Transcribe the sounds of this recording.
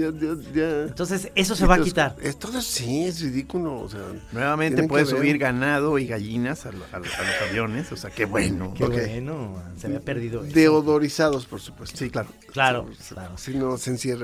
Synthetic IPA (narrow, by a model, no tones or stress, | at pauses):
aʝajant̪o̞ns̬ese̞s̬oseβait̪aɾḛst̪oðosiezriðikuloo̰seanwe̞βameneeepweðesuβiɾɣanaðo̞iɣaʝinasalaalosaβjo̞ne̞soseakeβweno̰kenoseβapeɾðiðod̪eoðoɾisaðospoɾsu̥pwest̪osiklaɾo | klaɾolaɾosinosensjera